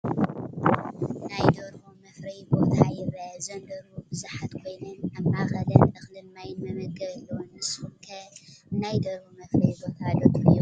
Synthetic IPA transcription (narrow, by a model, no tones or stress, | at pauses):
najd̪oɾumɐfɾɐjbo̞t̪ʰajɪβɐzɐnd̪ɐɾubɨzuħat̪kʰo̞jnonʔɐmʔaxɐd̪ɐnɨxlɨnmajnmɐβɐɡɐβlːonɨshumkʰɐnajd̪oɾmumɐfɾɐjbot̪ʰalːot̪ʰɨju